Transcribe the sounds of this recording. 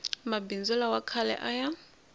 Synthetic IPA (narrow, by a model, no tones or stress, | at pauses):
mabind͡zulawakʰalɛ̰ʔaja